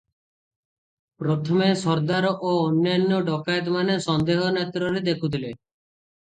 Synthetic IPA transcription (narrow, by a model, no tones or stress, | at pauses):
pɾɔt̪ʰɔmesɔɾd̪aɾɔʔoɔnjanːɔɖɔkajet̪̬manesɔnd̪eɦɔnet̪ɾɔɾed̪ekʰut̪ʰile